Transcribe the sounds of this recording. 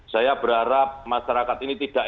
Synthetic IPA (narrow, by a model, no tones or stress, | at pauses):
sajab̥əɾaɾap̚maʃaɾakat̪init̪id̥aʔ